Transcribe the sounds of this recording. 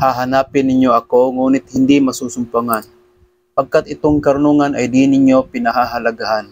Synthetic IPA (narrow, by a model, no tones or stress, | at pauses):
haɦanaːpɪnːɪɲjoʔɐkoŋuːnɪt̪̚hɪnd̪ɪmɐsuːsʊmpaŋan | pɐɡ̚kat̪ɪt̪oŋkɐɾʊnuŋanʔajd̪inɪɲjopɪnɐɦaɦalaɡahan